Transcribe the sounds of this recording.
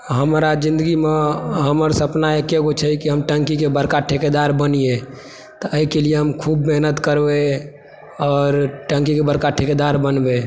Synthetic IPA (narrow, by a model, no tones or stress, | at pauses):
ɦəmɾad͡ʒĩnd̪əɡimeɦəməɾsəpnaekeɡot͡ʃʰɛikiɦəmʈəŋkikebəɾkaʈʰeked̪aɾbənije | t̪ɔəikelijeɦəmkʰubmeɦnət̪kəɾbe | ɔːɾʈə̃ŋkikebəɾkaʈʰeked̪aɾbənbe